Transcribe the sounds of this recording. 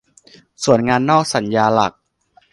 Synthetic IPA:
su˨˩˦ənŋaː˧nːɔː˥˩k̚sa˩˦njaː˧la̰˨˩k̚

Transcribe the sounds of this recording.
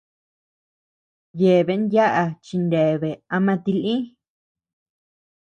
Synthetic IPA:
je˨βe˧˨˦nja˦ʔa˧t͡ʃi˧nde˨βe˨a˧mã˧t̪i˧lĩ˦

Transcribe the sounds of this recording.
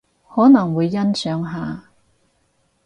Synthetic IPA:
hɔː˨˥nɐ˨˩ŋwuː˨˧jːɐ˥nsœː˨˥ŋɦaː˨˧

